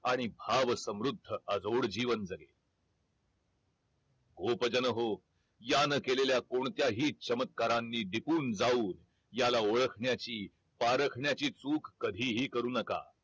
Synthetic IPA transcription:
aɽ̃ibʱaʋsəmɾud̪ʱːəəd͡zoɽd͡ʑiːʋənd͡zəɡḛ | ɡopəd͡ʑənəɦo | janəkeleljakoɳt̪jaɦiːt͡ɕəmət̪̚kaɾanːiːɖipuːnd͡zauːn | jalaoɭəkʰɳjat͡ɕiː | paɾəkʰɳjat͡ɕiːt͡suːkʰːəd̪ʱiːɦiːkəɾuːnəka̰

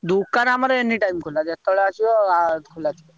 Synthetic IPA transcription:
d̪ukanaməɾeenːiʈaimkʰolat̪at̪əɭat͡ɕiʋəakʰolat͡ɕ̪i

